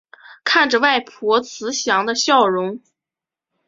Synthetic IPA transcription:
kʰa˥˩nʈ͡ʂə˩wa˥˩ɪpʰɔ˧˥t͡sʰɹ̩˧˥ɕjɑ˧˥ŋd̪ə˧ɕjɑ˥˩ʊɻʊ˧˥ŋ

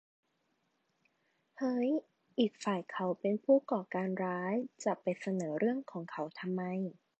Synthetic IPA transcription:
hɤ˦˥j | ʔiː˨˩k̚faː˨˩jkʰa˨˦wpe˧npʰuː˥˩kɔː˨˩kaː˧nɾaː˦˥jt͡ɕa˨˩ʔpa˧jsa˧nɤː˩˦ɾɯ˥˩əŋkʰɔː˩˦ŋkʰa˦wt̪ʰa˧mːa˧j

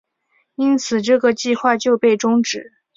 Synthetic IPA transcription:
i˥nt͡sʰɹ̩˨˩ʈ͡ʂɤ˥˩ɡə˩t͡ɕi˥˧xwa˥˧t͡ɕjo˥˧ʊpe˥˩ɪʈ͡ʂʊ˥ŋʈ͡ʂɻ̩˨˩˦

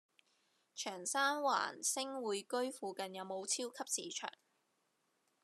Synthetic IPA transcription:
t͡ʃʰœː˨˩ŋsaː˥nwa̰ː˨˩nsɪ˥ŋwuː˨˧jkɵ˥ɥfuː˨˧kɐ˨njɐ˨˧wmo˨˧wt͡sʰiː˥wkʰɐ˥p̚siː˨˩t͡ʃʰœ̰ː˨˩ŋ

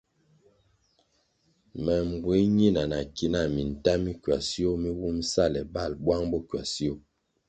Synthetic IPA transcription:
mɛ˨m̩˨bwi˨˦ɲi˦˨na˨na˨ki˦na˦˨mi˨n̩˨ta˦mi˦kɥa̰˨si˦o˦mi˦wu˦m˦sa˦˨lɛ˨ba˦˨lbwa˦ŋbɔ˦kɥa̰˨si˦o˦˨

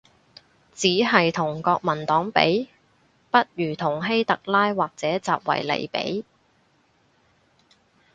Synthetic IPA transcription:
t͡siː˨˥ɦɐ˨jt̪ʰʊ˨˩ŋkɔː˧k̚mɐ˨˩nt̪ɔː˨˥ŋpḛ˨˥j | pɐ˥t̚jyː˨˩t̪ʰʊ˨˩ŋɦe˥jt̪ɐ˨k̚laː˥jwaː˨k̚t͡sɛː˨˥t͡saː˨p̚wɐ̰˨˩jlḛ˨˩jpḛ˨˥j

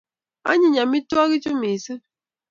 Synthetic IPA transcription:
a̰˦ɲɪ˨ɲa˨mi˦tu˦a˦ɣi˦t͡ʃu˦mi˨si˦

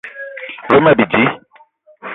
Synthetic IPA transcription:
ɾə˦ma˦˨bi˨d͡ʒi˦

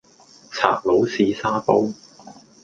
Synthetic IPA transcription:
t͡sʰa̰ː˨˩k̚lo˨˥wsiː˨˧saː˥po˥w

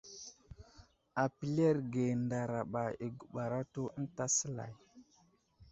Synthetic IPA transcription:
a˨pi˨le˦ɾɡe˨nda˨ɾa˨ɓa˨i˨ɡu˨ɓa˨ɾa˦to˦ə˦n˦ta˦sə˦la̰˨j

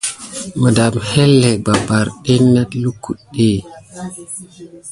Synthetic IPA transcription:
mə˨da˨mhe˦lːe˨ɡ͡ba˨ba˨ɾɗe˦na˦tlu˦ku˨ɗe˦˨

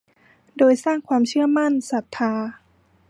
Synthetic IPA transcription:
doː˧jsaː˥˩ŋkʰwaː˧mt͡ɕʰɯ˥˩ɐma˥˩nsa˨˩˦p̚t̪ʰːaː˧

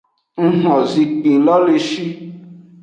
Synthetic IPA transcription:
ŋ̩˦ɦɔ̃˨zĩ˨˧k͡pĩ˨lɔ˦le˧ʃi˦

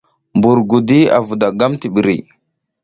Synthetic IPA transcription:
mbu˨ɾɡu˨di˦a̰˨vu˨da˨ɡa˦mti˨ɓi˨ɾḭ˨

